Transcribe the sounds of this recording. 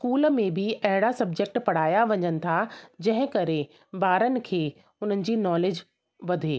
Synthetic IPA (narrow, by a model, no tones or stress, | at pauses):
skuːlmẽbʱɪɐɦɪɽasɐb̚d͡ʑek̚ʈpɐɽ̤aːjaʋɐɲənɪ̆t̪ʰad͡ʑɐ̃ɦɪ̃kɐɾe | baːɾənɪ̆kʰeː | ʊn̤ənɪ̆d͡ʑiːnɔːled͡ʑ | ʋɐd̪ʱeː